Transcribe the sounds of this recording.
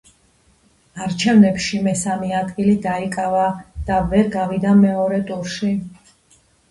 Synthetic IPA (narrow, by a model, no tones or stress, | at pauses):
aɾt͡ʃʰɛvnɛpʃimɛsamɛad̪ɡilid̪aikʼavad̪̥avɛɾɡavid̪amɛɔɾɛt̪ʼuɾʃi